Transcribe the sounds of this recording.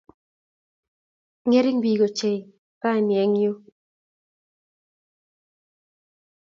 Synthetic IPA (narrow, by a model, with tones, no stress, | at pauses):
ŋe˦ɾɪ˦ŋbi˨ɡo˨t͡ʃe˨j | ka˦˨njɛ˨˦ŋjo˦